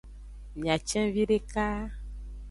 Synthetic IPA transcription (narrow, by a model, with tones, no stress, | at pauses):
mĩ˨a˨t͡ʃɛ̃˦vi˦ɖe˦ka˦